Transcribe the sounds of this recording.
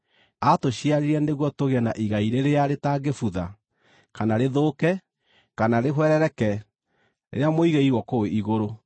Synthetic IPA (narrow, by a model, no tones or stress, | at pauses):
atoɕiaɾiɾɛneɣwɔtoɣɛnaʔiɣaiɾeɾeaɾetaɡefuða | kanaɾeðoːkɛ | kanaɾeɦwɛɾɛɾɛkɛ | ḛɾeamoiɣeiɣwɔkoweiɣoɾo